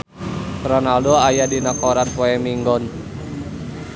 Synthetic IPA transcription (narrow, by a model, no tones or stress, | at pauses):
sɾanaldɔajadinakɔɾanpɔɛmiŋɡɔn